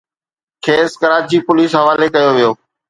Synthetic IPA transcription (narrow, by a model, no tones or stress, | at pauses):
kʰeːskəɾaːt͡ɕiːpʊliːsɦɐʋaːlekɐjoʋijoː